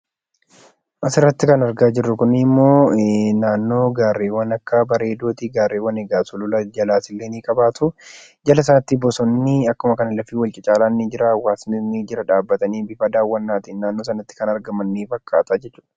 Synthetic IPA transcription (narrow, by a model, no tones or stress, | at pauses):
ʔɐsɪrːɐt̪ːɪkɐnɐɾɡaːd͡ʒɪrːʊkʊnɪmːo̞ːnaːnːo̞ːɡaːrːeːwːɐnɐkːɐbɐɾe̞ːd̪oːt̪iɡaːrːeːwɐneɡaːsʊlʊlɐd͡ʒɐlaːsɪlːeːniːkʼɐbaːt̪ʊ | d͡ʒɐlɐs̬ɐnɐt̪ːibɔsɔnːɪɐkːʊmɐkɐnɐlɐfiːwɐlt͡ʃʼɪt͡ʃʼaːlaːnːɪd͡ʒɪɾawːaːsnɪnid͡ʒɪɾɐᶑaːbːɐt̪ɐniːbɪfɐd̪aːwːɐnːaːt̪iːnnaːnːo̞ːs̬ɐnɐt̪ːɪ̥kɐnɐɾɡɐmɐnːiːfɐkːaːt̪aːd͡ʒɛt͡ʃːuːᶑɐ̥